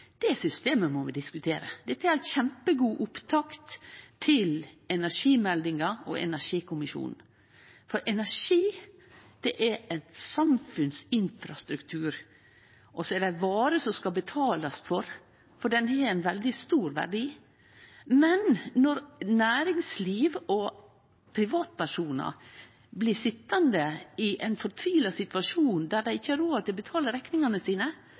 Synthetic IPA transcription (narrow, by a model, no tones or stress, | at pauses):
d̪̥ɛsʏst̪eːməmɔʋɪd̪ɪskʉt̪ʰeːɾəd̪ɛt̪ːəæɾæçɛmpəɡuːʔʊpt̪ʰɑkt̪ʰːɪlɛnæʂiːmɛld̪ɪŋɑɔ̰ɛ̰næʂiːkʰʊmɪʃṵːnn̩ | fɔɾʔɛnæʂiː | d̪̥ɛʔææt̪sɑmfʉnsɪnfɾɑst̪ɾʉkt̪ʰʉːɾ | ʔɔsɔɛɖæɪbɑːɾəsɔskɑbət̪ʰɑːlɑsfɔɾ | fɔɖɛnhɛænʋɛld̪ɪst̪uːɾʋæ̰ɖiː | mɛnːɔɾnæːɾɪŋsliːʋɔ | pʰɾɪʋɑːt̪̚pæʂuːnɑ̰ | blɪsɪt̪ːɑnd̪əɪʔɛɪnfɔɾt̪ʰʋiːlɑsɪt̪ʋɑʂuːnd̪æd̪æɪɪçːəɑɾoːɑdt̪ɪlbət̪ʰɑːləɾɛknɪŋɑnəsiːnə